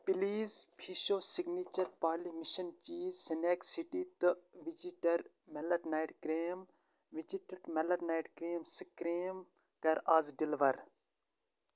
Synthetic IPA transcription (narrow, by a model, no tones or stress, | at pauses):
piliːzpʰiʃoːsiɡniːt͡ʃɐɾpaːlimiʃɐnt͡ʃiːzsineːksiʈiːt̪ɨʋid͡ʒiʈɐɾ | melɐʈnajʈkɾeːm | ʋid͡ʒiʈəɖmɐlɐɾnaːiʈkɾeːmskɾeːm | kɐɾazɖilʋɐɾ